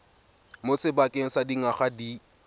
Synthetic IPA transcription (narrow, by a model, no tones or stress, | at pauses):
mosɪbakʼɪŋ̩sadiŋaχadi